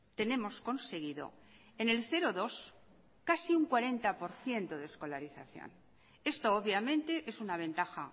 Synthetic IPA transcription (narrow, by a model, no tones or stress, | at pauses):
t̪e̞ne̞mo̞sko̞nse̞ɣ̞iðo̞̰ | ene̞lθe̞ɾoðo̞s | kasiuŋkwaɾe̞nt̪apo̞ɾθje̞nt̪oðesko̞laɾiθa̰θjo̰n | e̞st̪ooβjamẽ̞nt̪e̞ʔe̞sunaβ̞ẽ̞nt̪axa̰